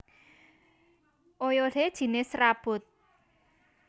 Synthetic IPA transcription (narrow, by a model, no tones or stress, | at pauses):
ʔojoɖed̥ʒ̥i̤nesɾab̥ʊt̪̚